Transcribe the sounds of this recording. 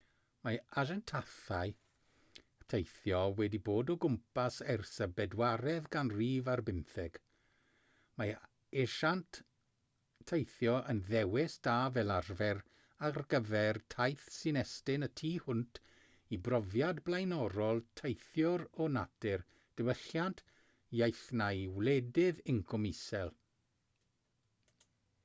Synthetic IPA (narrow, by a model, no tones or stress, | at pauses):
maaʒɛntʰaθaj | tʰejθjɔwɛdiboːdɔɡʊmpasɛrsəbɛdwaɾɛðɡanriːvarbɪmθɛɡ̥ | ma | eʃant | ejθjɔʔənðɛwɪsd̥aːvɛlˠarvɛr | arɡəvɛrtʰajθsɪnɛstɪnətʰiːhʊntʰ | ibrɔvjadblˠajnɔɾɔlˠtʰejθjʊɾɔnadɪr | d̥əwəɬjantʰ | jajθnajwlɛdɪðɪŋkʰɔmɪsɛlˠ